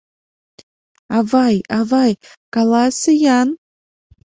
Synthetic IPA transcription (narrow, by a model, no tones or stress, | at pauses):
avajavaj | kalˠasɨjan